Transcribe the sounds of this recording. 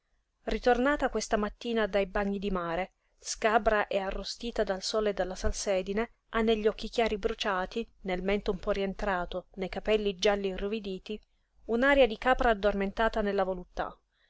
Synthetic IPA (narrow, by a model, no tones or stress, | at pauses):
rit̪ornaːt̪akwest̪amat̪ːiːnad̪ajbaɲːid̪imaːɾe | skabɾaʔɛarːost̪iːt̪ad̪alsoːled̪ːalːasalsɛːd̪ine | anːeʎːɔk̟ːik̟jaːɾibɾut͡ʃaːt̪inelmɛnt̪oumpɔrient̪ɾaːt̪onejkapɛlːid͡ʒalːiruvid̪iːt̪i | unaːɾjad̪ikaːpɾaːd̪ːorment̪aːt̪anelːavolut̪ːa̰